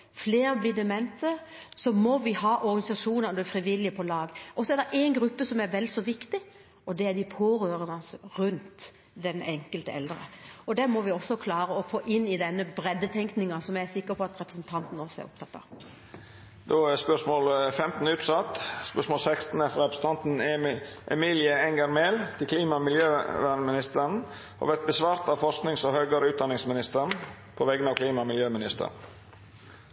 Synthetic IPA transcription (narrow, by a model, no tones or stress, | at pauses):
fleːɾəblɪːd̪ɛmɛnt̪ə | sɔmɔʋɪhɑːʔɔɾɡɑnɪsɑʂuːnəɾɔd̪ɛfɾɪʋɪljəpʰɔlɑːɡʔɔsɔɛɾd̪ɛɾʔæɪnɡɾʉpːəsɔmæɾʋɛld̪sɔʋɪkt̪ɪ | ʔɔd̪ɛæd̪ɪpʰoːɾøːɾənɑsɾʉnt̪ | d̪ɛnʔɛŋkəlt̪əɛ̰ld̪əɾə̰ɔd̪ɛmɔʋɪɔsːɔkʰlɑːɾəɔfoːʔɪnːɪd̪ɛnːəbɾɛd̪ːət̪ʰɛŋknɪŋɑsɔmjæɪæsɪkːəpʰɔɑt̪ɾɛpɾəsnt̪ʰɑnt̪n̩ɔsːɔæ̰ɾʊ̰p̚t̪ʰɑt̪ːɑ̰ | d̪oːæspœʂmoːlfɛmt̪n̩ʉːt̪sɑt̪ːspœʂmɔːlsɛkst̪n̩ɛfɾɛpɾə̥sn̩t̪ɑnt̪n̩ʔɛmiːlɪəɛŋɡɑɾmeːlt̪ʰɪlkʰliːmɑmɪljøːʋænmɪnɪst̪əɾn̩ | ɔ̰ʋɛt̪̚bəsʋɑːɾt̪ɑʋfɔʂknɪŋsɔhœʏɡəɾəʉːt̪̚d̪ɑnɪŋsmɪnɪst̪əɾn | pʰɔʋɛɡənɑʋkʰliːmɑmɪljøːmɪnɪst̪ə̰ɾn